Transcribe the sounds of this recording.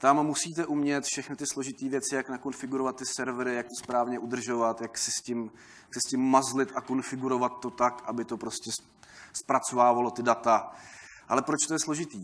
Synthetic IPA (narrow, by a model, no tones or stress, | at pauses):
t̪amːusiːt̪ɛʔumɲɛt̪fʃɛxnɪt̪ɪslo̞ʒɪt̪iːvjɛt͡sɪjaknako̞nfɪɡuɾo̞vat̪ːɪsɛɾvɾɪjak̚t̪ospɾaːvɲɛʔud̪r̩ʒo̞vat̪jaksɪscɪm | jksɪscɪmːazlɪt̪ʔako̞nfɪɡuɾo̞vat̪ːo̞t̪akʔabɪt̪o̞pɾo̞scɛs | spɾat͡so̞vaːvalo̞t̪ɪdat̪aʔalɛpɾot͡ʃt̪ojɛslo̞ʒɪt̪iː